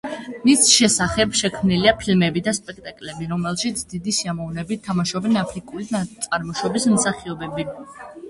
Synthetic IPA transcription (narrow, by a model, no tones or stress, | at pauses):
misʃɛsaχɛbʃɛkʰmniliapʰilmɛbid̪aspʼɛkʰt̪ʼakʼlɛbiɾɔmɛlˠʃit̪ʰd̪id̪isiamɔvnɛbitt̪ʰːamaʃɔbɛnapʰɾikʼulit̪sʼaɾmɔʃɔbismsaχiɔbɛbi